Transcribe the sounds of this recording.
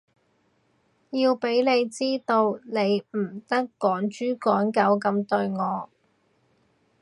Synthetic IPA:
jiː˧wpe˨˥jle˨˧jt͡siː˥t̪o˧wne˨˧jm̩˨˩t̪ɐ˥kːɔː˨˥ŋt͡ʃyː˥kɔː˨˥nkɐ˨˥wkɐ˧mt̪ɵ˧ɥŋɔː˨˧

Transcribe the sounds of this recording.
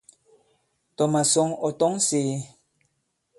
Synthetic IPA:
tɔ˨ma˨sɔ˦ŋɔ˨tɔ˦ŋseː˨˦

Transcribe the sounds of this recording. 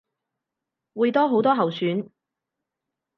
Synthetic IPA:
wuː˨˧jt̪ɔː˥ɦo˨˥wt̪ɔː˥ɦɐ˨wsyː˨˥n

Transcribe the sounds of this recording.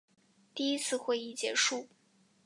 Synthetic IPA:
t̪i˥˩i˥t͡sʰɹ̩˥˧xwe˥˧ɪi˥˩t͡ɕjɛ̰˧˥ʂu˥˩

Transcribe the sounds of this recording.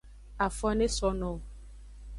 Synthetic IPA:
a˨fɔ˦ne˦sɔ˦nɔ̃˨

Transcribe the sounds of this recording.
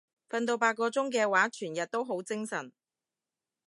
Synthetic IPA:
fɐ˧nt̪o˧wpaː˧t̚kːɔː˧t͡sʊ˥ŋkɛː˧waː˨˥t͡ʃʰyː˨˩njɐ˨t̚t̪o˥wɦo˨˥wt͡sɪ˥ŋsɐ˨˩n

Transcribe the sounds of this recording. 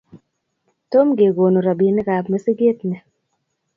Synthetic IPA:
to˦mɡe˨ɡo˨no˨ɾa˨bi˨nɪ˦ɡa˨pme˦si˦ɡe˦tnɛ˨

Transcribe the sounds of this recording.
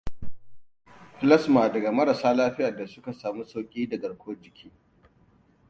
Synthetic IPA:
ɸɪ˦lɐ˦smaː˨dɐ˨ɡa˨mɐ˦ɾa˨saː˦laː˦ɸɪ˦ja˨da˨sʊ˦ka˨saː˨mu˦sa˦wkʲʼiː˦dɐ˨ɡɐ˨ɽkʷʰoː˦d͡ʒɪ˨kʲʰiː˦

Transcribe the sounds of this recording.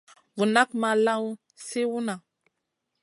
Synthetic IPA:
vu˨na˦kma˨la˦w | se˦wu˦na˨

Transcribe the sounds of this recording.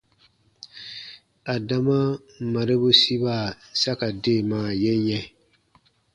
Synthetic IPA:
a˨da˨ma˦˨ | ma˨ɾe˦bu˦si˦ba˦˨sa˦ka˨deː˦˨maː˨˦˨jɛ˦ɲɛ˦

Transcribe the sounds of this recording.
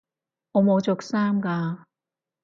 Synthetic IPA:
ɔ˨˧mɔ˨˧t͡ɕo˨k̚saː˥mka˧

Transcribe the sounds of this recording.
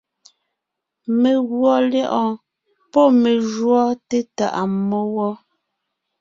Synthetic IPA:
me˨ɣwɔ˦lɛ˦ʔɔ̃˨ | pɔ˦me˨ʒwɔ˦te˦ta̰˨ʔa˨mːɔ˦wɔ˦

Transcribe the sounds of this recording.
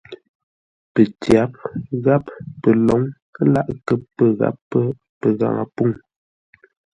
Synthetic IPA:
pə˨tja˨˦p̚ɣa˦ppə˨lɔ˨˦ŋ | ə˦la˦ʔkə˦pːə˨ɣa̰˦pːə˦ | pə˨ɣa̰˨ŋa̰˨pu˦˨ŋ

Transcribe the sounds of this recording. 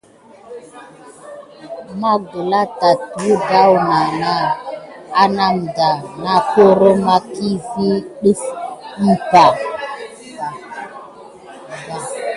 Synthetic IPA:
ma˦ɡu˨la˦ta˨tu˨˦da˦wna˨na˦ | a˦na˦m˨da˨na˦ko˦ɾo˦ma˦ki˦vi˦ɗi˦fm̩˦pa˨ | a˨ | da˨

